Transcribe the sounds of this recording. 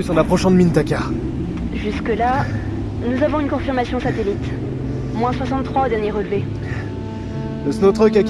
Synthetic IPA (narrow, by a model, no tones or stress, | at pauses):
ysɑ̃napχɔʃɑ̃d̪əmint̪akʲa | ʒyskəla | nuzavɔ̃ynkɔ̃fiʁmasjɔ̃sat̪elit̪ | mwɛ̃swasɑ̃t̪ːχwaod̪ɛʁnjeʁəlve | əsnɔt̪χəkʲakʲ